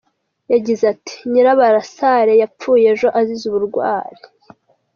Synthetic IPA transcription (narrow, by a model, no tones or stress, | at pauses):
jaɟizati̥ɲiɾaβaɾasaɾe̞jap͡fuːje̞ʒo̞ʔazizuβuɾɡwa̰ːɾi